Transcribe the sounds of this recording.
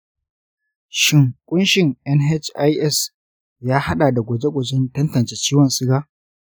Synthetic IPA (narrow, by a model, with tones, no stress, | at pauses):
ʃɪ˦˨ŋkʷʼʊ˦nʃɪ˨ŋʔɛ˦nɦɛ˦t͡ʃʔa˦jʔɛ˦˨s | jaː˦ha˦ɗaː˨da˨ɡʷɐ˨d͡ʒe˦ɡʷɐ˨d͡ʒɛ˦ntɐ˦ntɐ˨nt͡ʃe˦t͡ʃiː˦wɔ˨nsɪ˦ɽaː˦